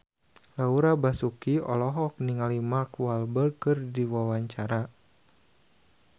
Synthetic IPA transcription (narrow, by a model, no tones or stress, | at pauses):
lauɾabasukiɔ̰lɔɦɔk̚niŋalimarkwalbərkɨrdiwawaɲt͡ʃaɾa